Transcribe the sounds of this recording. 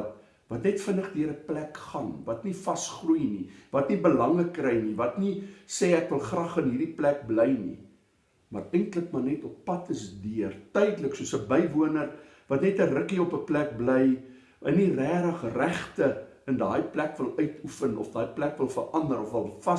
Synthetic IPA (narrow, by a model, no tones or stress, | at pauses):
t | vɐtnɛtfənəχdiəɾəplækχɐnvɐtnifɐsχrujnivɐtnibəlɐŋləkːrɛjnivɐtniseːækvəlˠχrɐχənɦiːrdiplæk̚bləjnḭ | mɐrɛjntləkmɐrnɛtɔpːɐtʰəsdiərtœjdələksuəsəbəjvuənər | vɐtnɛtərəkiɔpəplæk̚bləj | əniræːɾɐχræχtə | əndɑːjplækvəlˠœɥtufənɔ̰fdɑːjplækvəlˠfərʔɐndəɾɔfvəlˠfɐ